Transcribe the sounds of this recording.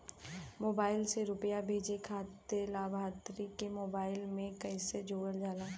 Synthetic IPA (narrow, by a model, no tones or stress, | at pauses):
moːbaːɪlseɾʊpjabʱeːd͡ʒekʰaːt̪elaːbʱaːt̪ɾikemoːbaːɪlmẽkəɪsed͡ʒoːʋəɾd͡ʒaːlaː